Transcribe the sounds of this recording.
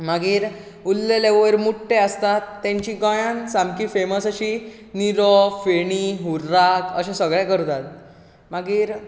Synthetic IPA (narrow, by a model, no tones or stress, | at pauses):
maɡiːɾ | ulːeleʋəɾmuʈʰːeəst̪at̪ːãɲt͡ɕĩɡɔ̃jãnsamkifeməsəɕiː | niɾɔfeɽ̃iɦuɾːakəɕẽsəɡɭɛ̃kəɾt̪at̪̚ | maɡiːɾ